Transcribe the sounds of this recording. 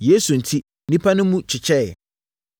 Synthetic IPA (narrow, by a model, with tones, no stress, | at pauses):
je˨˦su˨n̩˨tʰi˦ | nĩ˦pʰa˦nʊ̃˦mũ˦t͡ɕʰɪ˨t͡ɕʰɛ˦˨ɛ˨